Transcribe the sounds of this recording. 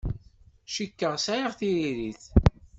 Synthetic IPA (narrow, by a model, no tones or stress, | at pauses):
ʃikːəʁsajəʁθiɾiɾiθ